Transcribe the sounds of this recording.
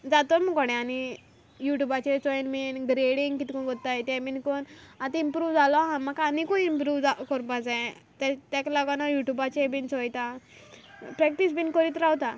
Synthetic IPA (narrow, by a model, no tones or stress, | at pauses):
d͡zat̪ɔmukɔɽɛ̃ani | juʈjubat͡ɕet͡sɔnminɡɾeɽiŋɡkit̪ikuɡɔt̪ːajt̪ɛ̃binkonat̪impɾuːʋd͡zalɔɦãnmakanikoimpɾuːʋd͡zakɔɾbad͡zã | t̪at̪aklaɡanajuʈjubat͡ɕebint͡sɔjt̪a | pɾɛk̚ʈisbinkəɾit̪ɾawt̪a